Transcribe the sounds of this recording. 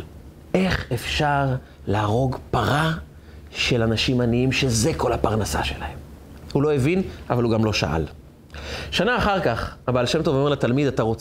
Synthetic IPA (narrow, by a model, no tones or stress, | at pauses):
ʔe̞χefʃaʁ | laːʁo̞ɡpaʁa | ʃe̞lanaʃimaniimʃe̞ze̞ko̞lhapaʁnasa̰ʃe̞̰lahe̞m | hulo̞evinavaluɡamlo̞ʃa̰ʔa̰l | ʃanaːχaʁkaχabaːlʃe̞mt̪ovameʁlat̪almid̪ataʁo̞t͡s